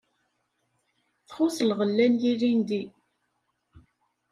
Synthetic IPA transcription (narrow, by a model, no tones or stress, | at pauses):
θχʊsəlʁəlːænjiɾind̪i